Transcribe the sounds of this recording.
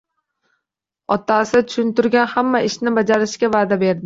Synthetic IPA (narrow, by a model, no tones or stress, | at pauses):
ɒt̪asɪt̪ʰʊ̥ʃʊnt̪ʊɾɡʲanhamːaʔɪʃnɪbad͡ʒaɾɪʃkʲavaːd̪abe̞ɾd̪ɪ